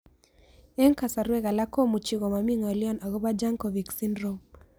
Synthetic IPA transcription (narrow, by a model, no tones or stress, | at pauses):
ɛŋkasaɾuɛɣalakɔmut͡ʃiɣɔmamiŋaliɔnaɣɔbad͡ʒaŋkɔviksindɾɔm